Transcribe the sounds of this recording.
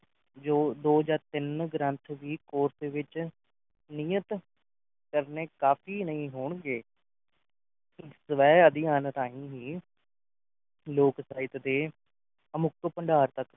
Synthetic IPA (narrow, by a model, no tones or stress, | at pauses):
d͡ʒoːd̪oːd͡ʒaːɾt̪ɪnɡɾə̃nt̪ʰʋiːkoːɾseʋɪt͡ʃ | niːət̪ | kəɾneːkaːfiːnəĩːɦoːɳɡeː | səʋɛːəd̪ɪjaːnət̪aːĩːɦiː | loːksaːɪt̪d̪eː | əmʊkpəɳɖaːɾt̪ək